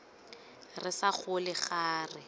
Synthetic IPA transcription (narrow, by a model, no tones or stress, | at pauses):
rɪsaχʊlɪχaːrɪ